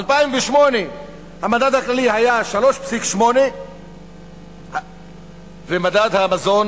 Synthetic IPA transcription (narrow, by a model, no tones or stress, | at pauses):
alpaimveʃmo̞ne | hamad̪ad̪haklalihajaʃalo̞ʃpsikʃmo̞ne | vemad̪ad̪hamazo̞n